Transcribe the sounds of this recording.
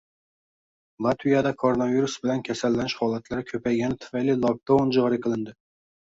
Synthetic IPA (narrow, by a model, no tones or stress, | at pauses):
lˠɑt̪vijɑd̪ɑkʰoɾonɑviɾusbɪlɛnkʲʰɛsælːɛnɪʃhɑːlˠɛt̪læɾkʲʰøpʰɛjɡʲɛnɪt̪ʰy̥fɛjlilˠɑp̚t̪ʰowund͡ʒɑɾɨkɨlˠɪnd̪ɪ